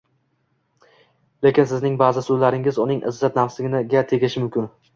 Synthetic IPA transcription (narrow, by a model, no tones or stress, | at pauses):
le̞kʲɪnsɪznɪŋbaːzɪsʊlaɾɪŋɪzʊnɪŋʔɪ̰zːat̪̚nafsɪɡʲɪnɪɡʲat̪ʰe̞ɡʲɪʃɪmʊmkʲʰɪn